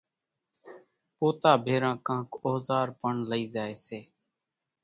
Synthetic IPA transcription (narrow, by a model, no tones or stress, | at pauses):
poːt̪aːbʱeːɾãːkãːkoːzaːɾpəɳləiːzaːeːseː